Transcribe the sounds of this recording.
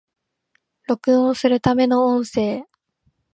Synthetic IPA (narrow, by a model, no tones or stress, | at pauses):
ɾo̞kɯ̟̃ɰ̃osɨɾɯ̟t̪ame̞no̞õɰ̃se̞ː